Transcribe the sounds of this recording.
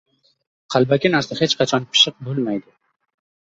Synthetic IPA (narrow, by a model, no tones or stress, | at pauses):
qʰɑlˠbakʲɪnaɾsahe̞t͡ʃqʰɑt͡ʃʰɒnpʰɪ̥ʃɨq̚bolˠmajd̪ɪ